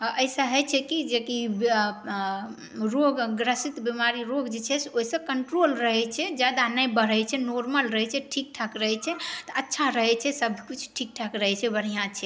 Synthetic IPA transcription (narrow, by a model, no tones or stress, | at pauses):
əjsə̃ɦət͡ʃʰɛkid͡ʒekib | ɾoɡːɾəsit̪bimaɾiɾoɡd͡ʒet͡ʃʰɛsoɦisə̃kəɳʈɾolɾəɦɛt͡ʃʰɛd͡ʒad̪anəjbəɾ̤əjt͡ʃʰɛnoɾməlɾəɦɛt͡ʃʰɛʈʰik̚ʈʰakɾəɦɛt͡ʃʰɛt̪ɔətːʃʰaɾəɦɛt͡ʃʰɛsəbʱkit͡ʃʰʈʰik̚ʈʰakɾəɦɛt͡ʃʰɛbəɽ̤ijãt͡ʃʰɛ